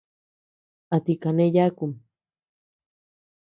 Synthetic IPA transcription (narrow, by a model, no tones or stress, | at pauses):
at̪ikanejakum